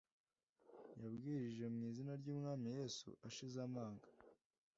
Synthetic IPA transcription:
jabɡiːɾiʒe̞umŋiːzinaɾɟuːmŋaːmije̞ːsṵʔaʃizamaːŋɡa

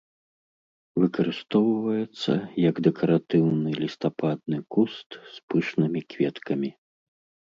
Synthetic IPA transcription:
vɨkɐɾɨst̪ɔwvɐjɛt̪sːɐ̰jɐɡd̪ɛkʰɐɾat̪ɨwnɨlʲist̪apad̪̚nɨkust̪spɨʂnɨmʲikvʲɛt̪kʰɐmʲi

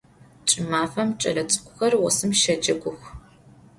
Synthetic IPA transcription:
t͡ʃʼɪmaːfɐmt͡ʃʼɐ̰lɐt͡sʼɨ̥kʷʰʼʊxɐrwɔ̰sɨmʃɐd͡ʒɐɡʷʊxʷ

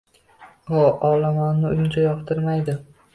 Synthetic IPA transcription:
hɒɒlamanːɪʊjʊnt͡ʃʰajɒqt̪ʰɪɾmajd̪ɪ

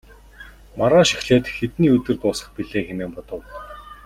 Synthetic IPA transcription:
maɾaːʃi̥xɮeːt̪xet̪niːɵt̪ɘ̆rt̪ʊːsə̆χpiɮeːxemeːmpɔt̪ɞ̆w

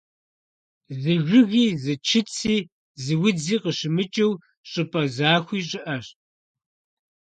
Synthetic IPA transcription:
zɨʒʷʊɣiːzɨt͡ʃʰɪt͡sʰiː | zɨwʊd͡ziːqəɕɪmɨt͡ʃʼɐw | ɕʼɪpʼɐzaːxʷiːɕʼɪʔɐɕ

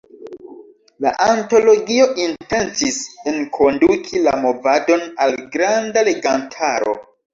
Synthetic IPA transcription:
la̰ʔanto̞lo̞ɡio̞ʔinte̞ntisenkʰo̞ndukʰila̰mo̞vado̞nalɡɾandale̞ɡantʰaɾo̞̰

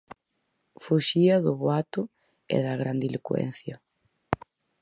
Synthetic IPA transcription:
fuʃiɐðʊβwat̪ʊ | ɛ̰ðɐɣɾand̪ilikwɛ̰n̟θjɐ

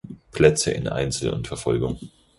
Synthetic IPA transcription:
pʰl̥ɛt͡sə̰ʔɪ̰nʔa̰ɪnt͡sl̩ʊ̰ntfɛɐfɔlɡʊŋ

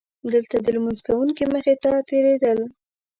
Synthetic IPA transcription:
d̪əlt̪ad̪əlmunzkawuŋkiməxet̪ɑt̪eɾed̪əl

